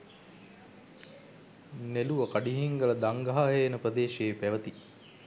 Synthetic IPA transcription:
neluʋəkaɖiɦiŋɡələd̪aŋɡaɦaːɦejːnəprəd̪eːʃeːpæʋət̪i

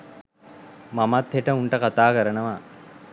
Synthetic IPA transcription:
mamat̪heʈəuɳʈəkat̪aːkəɾənəʋa

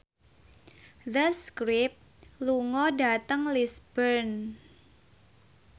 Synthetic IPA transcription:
ðəskɾɪp̚ | luŋɔdat̪əŋlisbərn

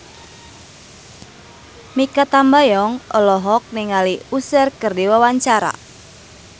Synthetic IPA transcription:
mikat̪ambajɔŋɔlɔɦɔk̚niŋaliusərkərdiwawaɲt͡ʃaɾa̰

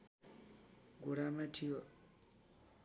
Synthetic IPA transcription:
ɡuɾamatʰiwa

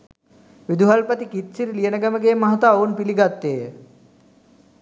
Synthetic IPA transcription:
ʋid̪uɦalpət̪ikit̪siɾilijənəɡaməɡeːmaɦat̪aːonpiliɡat̪ːeːjə

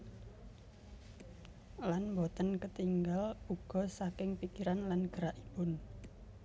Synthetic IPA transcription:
lanmbɔt̪ənkət̪iŋɡaluɡ̥ɔ̤sakɪŋpikiɾanlanɡ̥əɾaʔibʊn

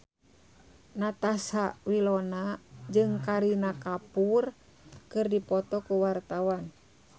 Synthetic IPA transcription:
nat̪asawilɔnad͡ʒɨŋkaɾinakapur | kɨrdipɔt̪ɔkuwart̪awan

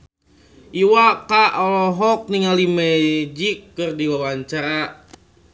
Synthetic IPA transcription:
ʔiwakaʔɔlɔɦɔk̚niŋalimɛd͡ʒikːɨrdiwawaɲt͡ʃaɾa

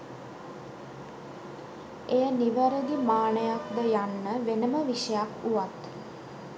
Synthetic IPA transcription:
ejəniʋəɾəɡ̪imaːɳəjakd̪əjanːəʋenəməʋiʃəjakuʋat̪

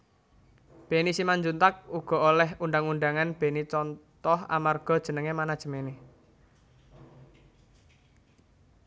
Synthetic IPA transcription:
b̥e̤nisimaɲd͡ʒunt̪ak̚uɡ̥ɔ̤ʔolɛhunɳɖaŋuɳɖaŋanb̥e̤nit͡ʃɔnt̪ɔha̰marɡ̥ɔ̤d̥ʒ̥ə̤nəŋemanad̥ʒ̥ə̤mene

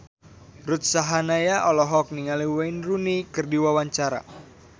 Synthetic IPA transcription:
rut̪̚saɦanajaʔɔlɔɦɔk̚niŋaliwajnrunikɨrdiwawaɲt͡ʃaɾa̰

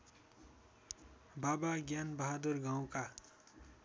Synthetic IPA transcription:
babaɡjanbʌɦad̪urɡãw̃ka

